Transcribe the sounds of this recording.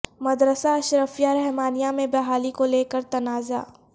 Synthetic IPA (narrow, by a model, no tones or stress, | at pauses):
mɐd̪ɾəsaɐʃɾəfijaɾɛɦmaːnijamẽbɐɦaːlikoleːkəɾt̪ɐnaːza̰ː